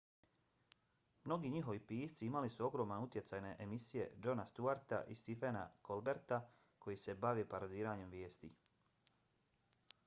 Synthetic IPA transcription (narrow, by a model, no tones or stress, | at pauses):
mno̞ɡiːɲiɦo̞ʋipiːst̪siimalisuo̞ɡɾo̞ːmanut̪je̞t̪saːjne̞ʔemisije̞̰d͡ʒo̞nast̪uaɾt̪a̰ʔist̪ifena̰kʰo̞lˠbe̞ɾt̪a | kʰo̞jise̞baʋepaɾod̪iːɾaːɲe̞mʋje̞ːst̪ḭ